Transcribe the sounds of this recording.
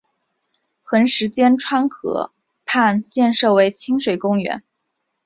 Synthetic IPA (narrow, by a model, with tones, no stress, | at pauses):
xə˧˥nʂɻ̩˧˥t͡ɕjɛ˥nʈ͡ʂʰwa˥nkʰɤ̰˧˥ | pʰa˥˧nt͡ɕjɛ˥˧nʂɤ˥˩we˧˥ɪt͡ɕʰi˥ŋʂwe˨˩ɪkʊ˥ŋɥɛ̰˧˥n